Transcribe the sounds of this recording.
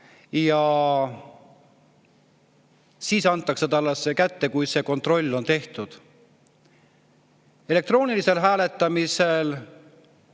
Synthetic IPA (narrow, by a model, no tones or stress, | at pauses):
jɑ | siːsɑnt̪ːˑɑksɑt̪ɑlːesːekæt̪ːe̞kujse̞ːko̞nt̪ˑro̞lʲːo̞nt̪e̞ht̪ud̪̥ | e̞le̞k̚t̪ro̞ːnilise̞lɦæːle̞t̪ːˑɑmise̞l